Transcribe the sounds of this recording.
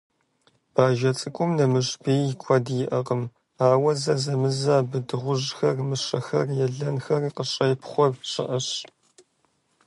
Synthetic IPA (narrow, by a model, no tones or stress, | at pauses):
b̥aːʒɐt͡sʼɨkʷʼʊmnɐmɨɕbeːkʷʰɔdjɪʔɐqəm | aːwɐzɐzɐmɨzaːbɨdɨʁʷʊʒxɐrmɨɕɐxɐrjɛɮɐnxɐriːqəɕʼɐjɪpχʷɔrɕʼɪ̰ʔɐɕ